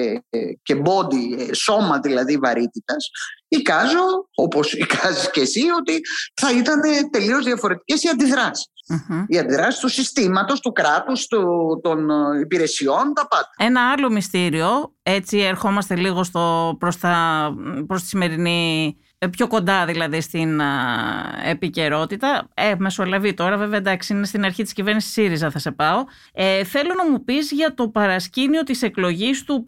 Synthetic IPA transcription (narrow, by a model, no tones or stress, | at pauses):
ce̞bo̞nd̪iso̞mɐðilɐðivɐɾit̪it̪ɐsikɐzo̞oposikɐziscesio̞t̪iθɐit̪ɐne̞t̪e̞lio̞zðiɐfo̞ɾe̞t̪i̥ce̞siɐnd̪iðɾɐsi̥s̩iɐnd̪iðɾɐsi̥st̪usist̪imɐt̪o̞st̪ukɾɐt̪ust̪ut̪o̞nipiɾe̞sio̞nt̪ɐpɐd̪ɐe̞nɐɐlo̞mist̪iɾio̞e̞t͡sie̞ɾxo̞mɐst̪e̞liɣo̞st̪o̞pɾo̞st̪ɐpɾost̪i̥sime̞ɾini | pço̞ko̞nd̪ɐðilɐðist̪in | epice̞ɾo̞t̪it̪ɐeme̞so̞lɐvit̪o̞ɾɐve̞veɐd̪ɐksiinest̪inɐɾçit̪i̥scive̞ɾnisi̥siɾizɐθɐse̞pɐo̞ | eθe̞lo̞nɐmupizʝɐt̪o̞pɐɾɐscinio̞t̪ise̞klo̞ʝist̪u